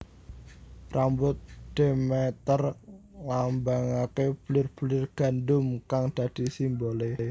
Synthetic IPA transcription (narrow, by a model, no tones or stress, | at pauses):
rʔambʊt̪̚ɖ̪̥e̤mɛt̪ərlambaŋakeb̥lɪrb̥ulɪrɡ̥a̤ndʊmkaŋd̪̥ä̤d̪̥i̤simbole